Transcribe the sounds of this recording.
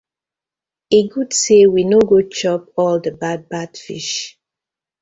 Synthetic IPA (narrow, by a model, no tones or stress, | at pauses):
eɡudsewinoɡot͡ʃɔpɔldəbad̚badfḭʃ